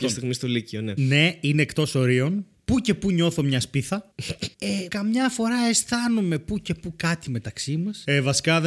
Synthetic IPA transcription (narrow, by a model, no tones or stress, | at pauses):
ɐst̪iɣmist̪olicionene̞ineːkt̪o̞so̞ɾio̞n | puce̞puɲo̞θo̞mɲɐspiθɐekɐmɲɐfo̞ɾɐe̞st̪ɐnume̞puce̞pukɐt̪ime̞t̪ɐksimɐsevɐsi̥kɐð